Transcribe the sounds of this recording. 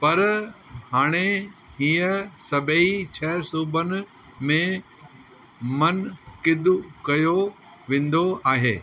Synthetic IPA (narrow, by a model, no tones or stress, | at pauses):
pɐɾhaːɽ̃eɦiːəsɐbʱeit͡ɕʰɐsuːbənɪ̆ | mẽ | mɐnkɪd̪ʊkɐjo | ʋẽːn̆d̪oaːɦeː